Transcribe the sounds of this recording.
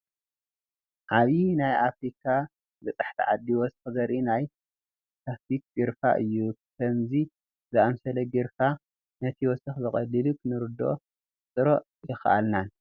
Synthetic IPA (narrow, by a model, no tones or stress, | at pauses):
ʔaβinajʔafɾikʰa | bɨt͡sʼɨħt̪ʰḭʕad̪ːiwɔsxɨzɐɾʔinaj | t̪ʰafik̚ɡɨɾfa̰ʔɨjːukʰɐmzi | zɨʔamsɐlɐɡɨɾfa | nɐt̪ʰiwɔsɐxbɨkʼɐlːɨlukʰɨnɨɾɨd̪o̞̰ | t͡sʼɨɾo | jɪxʔa̰lnan